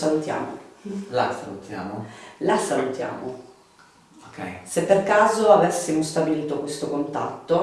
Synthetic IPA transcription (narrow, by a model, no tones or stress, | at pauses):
salut̪ja̰ːmo̰lasalut̪ʰja̰ːmolasalut̪ja̰ːmo | okʰɛ̰jsepːerkaːzoavesːimost̪abiliːt̪okwest̪okont̪a̰t̪ːo